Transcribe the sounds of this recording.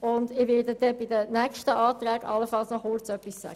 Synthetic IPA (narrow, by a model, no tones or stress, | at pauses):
ʊndɪʋɪdədɛbɪdənækʃtəʔɑːt̪ræːɡɑ̰lːəfɑlsnɔχʊrt͡sœpːisːæ̰ɡ̥ə